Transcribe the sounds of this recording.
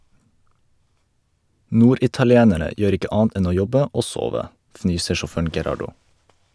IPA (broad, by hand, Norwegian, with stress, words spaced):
ˈnuːɾɪtɑlɪˌeːnəɾə ˈjøːɾ ˈɪkə ˈʔɑːɑnt ˈʔɛn ˈoː ˈjɔbə ˈoː ˈsoːʋə ˈfnyːsə ʃɔˈføːɳ̩ ɡɛˈɾɑɖʊ